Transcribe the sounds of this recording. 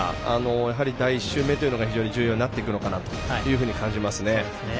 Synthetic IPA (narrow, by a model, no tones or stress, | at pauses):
ano̞jaɦaɾʲid̪aiːɕːɨːme̞t̪o̞jɯ̟no̞ɡaçiʑo̞ːɲ̟id͡ʑɨ̟ːjo̞ːɲinat̪ːe̞ikɯ̟no̞kanat̪o̞̥jɯ̟ːɦɯ̟ːɲ̟ikãɲ̟d͡ʑimasɨne̞